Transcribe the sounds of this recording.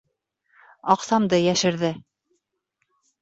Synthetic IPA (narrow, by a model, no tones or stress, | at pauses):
ɑqsɑmd̪ɤjæʃɘ̆ɾðɘ